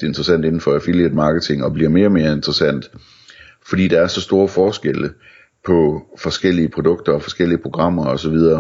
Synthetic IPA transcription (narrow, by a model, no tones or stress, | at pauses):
d̥ee̝nd̥ʁɐsæn̰d̥e̝n̩fɒæfiljed̥mɑ̈ːɡ̥ət͡sʰe̝ŋɒ̽b̥liɐ̰me̝ːɐme̝ːɐe̝nd̥ʁɐsæn̰d̥ | fɒd̥ḭːd̥ɑ̈æɐsɒ̽sd̥o̝ːɐfɒːsɡ̥elə | pʰɒ̽fɒ̽sɡ̥el̰iəpʰʁod̥ɔ̽ɡ̥̚d̥ɐɒ̽fɒ̽sɡ̥el̰iəpʰʁo̝ɡ̥ʁɑ̈m̰ɐɒ̽sɒ̽ʋið̞ˠɐː